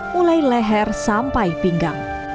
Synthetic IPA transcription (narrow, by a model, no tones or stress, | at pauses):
mulajlɛɦɛrsampaib̥iŋɡaŋ